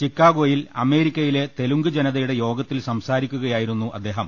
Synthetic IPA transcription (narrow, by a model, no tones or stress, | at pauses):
t͡ɕikːaːɡo̞ːjilɐme̞ːɾikʲːɐjile̞t̪e̞luŋɡɨd͡ʑenɐðɐjuɽe̞jo̞ːɡɐt̪ːilsɐmsaːɾikʲːuɣɐjaːjiɾunːuʔɐ̰d̪ːe̞ːɦɐm